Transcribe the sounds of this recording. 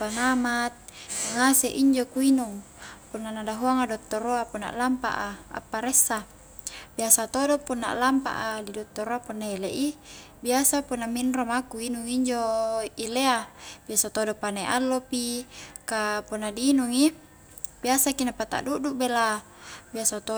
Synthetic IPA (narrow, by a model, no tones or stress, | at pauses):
panamat̪̚ŋaseʔiɲd͡ʒokuinuŋ | punːanadaɦuaŋadot̪ːoɾoapuna̰ʔlampa̰ʔaa̰pːaɾesːa | biasat̪odopunːa̰ʔlampa̰ʔadidot̪ːoɾoapunːaeleʔi | biasapunːaminromakuinuŋiɲd͡ʒoileabiasat̪odopaneʔalːopikapunːadiːnuŋi | b̥iasakinapat̪a̰ʔduʔduʔbela | biasat̪o